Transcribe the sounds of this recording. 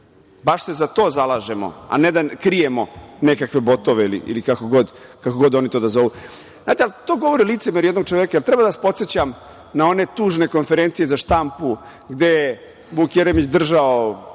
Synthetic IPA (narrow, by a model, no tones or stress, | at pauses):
baʃse̞zat̪o̞ːzalˠaːʒemo̰a̰ned̪akɾijemonekakʋe̞bo̞t̪oʋeilḭʔḭlikakoɡo̞d̪kakoɡo̞d̪o̞nit̪o̞d̪azo̞ʋu | zznaːt̪ealt̪o̞ːɡo̞ʋoɾiliːt̪semeɾujed̪no̞ɡ̚t͡ʃoʋjekajelt̪ɾɛbad̪aʋaspo̞t̪set͡ɕam | nao̞ne̞t̪uːʒne̞ko̞nfeɾent̪sijezaʃt̪ampu | ɡd̪e̞je | buːkjeɾemit͡ɕd̪r̩ʒao